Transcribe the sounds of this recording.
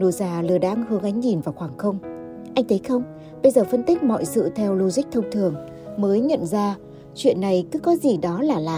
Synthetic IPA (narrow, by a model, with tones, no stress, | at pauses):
no˨˧˩zaː˨˩lɨ˨˩əɗa̰ː˧˥ŋhɨ˨˦əŋʔa˨˦jŋ̟ɲi˨˩nvaː˨˩wxwaː˧˩ŋxə˧wŋ͡m | ʔa˧jŋ̟t̪ʰə˨˦jxə˧wŋ͡m | ɓə˧jzəː˨˩fə˧nt̪ï˦˥k̟̚mɔ̰˧˨jsɨ̰˧˨t̪ʰɛ˧wlu˧zï˦˥k̟̚t̪ʰə˧wŋ͡mt̪ʰɨ˨˩əŋ | məː˨˦jɲə̰˧˨nzaː˧ | t͡ɕwḭ˧˨ənːa˨˩jkɨ˨˦kɔ˨˦zi˨˩ɗɔ˨˦laː˨˩laː˨˩